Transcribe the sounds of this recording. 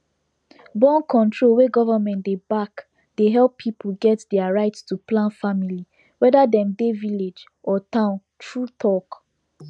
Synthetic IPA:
bɔ̃nkʰɔ̃ntʰɹolweɡɔvamɛ̃ntdebak | d̥eɦɛlˠpʰːipʰol̩ɡɛtdɛaɹaɪtstuplãnfamili | wɛdadɛ̃mdeviled͡ʒ | ʔɔtãʊ̃n | tʰɹutʰɔk

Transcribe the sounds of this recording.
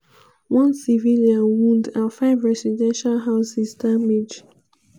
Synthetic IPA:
wɔ̃nsiviliãnwũndafaɪvɹɛsidɛ̃nʃalɦaʊsisdamed͡ʒ

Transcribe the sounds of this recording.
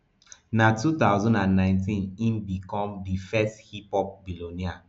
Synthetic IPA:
natut̪aʊzɔ̃ndãnːãɪ̃ntĩnĩnbikɔ̃mdifɛsthipɔp̚bilonia

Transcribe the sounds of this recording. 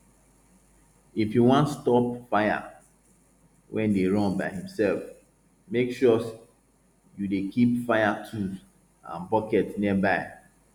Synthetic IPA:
ifhiwɔ̃ntstɔpfaɪa̰ | wʔɛ̃ndeɹɔ̃nbaɪhĩmsɛlf | mekʃɔs | judekʰipfaɪatʰu | ã̰nbɔkɛtniəbaɪ

